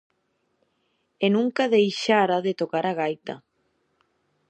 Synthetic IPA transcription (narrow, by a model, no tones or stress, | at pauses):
enũŋkaðejʃaɾaðɪt̪okaɾaɣajt̪a̰